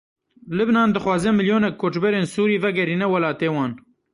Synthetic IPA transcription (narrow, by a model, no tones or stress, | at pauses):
lɨbnɑːnd̪ɨxwɑːzɛmɪljoːnɛkʰːoːt͡ʃbɛɾeːnsuːɾiːvɛɡɛɾiːnɛwɐlɑːt̪eːwɑːn